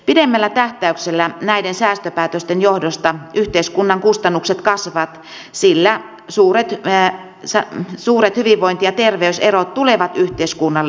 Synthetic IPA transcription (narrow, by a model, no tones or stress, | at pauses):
pidemːælːæt̪æht̪æykselːænæidensæːst̪øpæːt̪øst̪enjohdost̪ɑyht̪eiskunːɑŋkust̪ɑnːukset̪kɑsʋɑt̪ | silːæ | suːret̪ | sɑsuːret̪hyʋiʋːoint̪ijɑt̪erʋeyserot̪t̪uleʋɑt̪yht̪eiskunːɑlː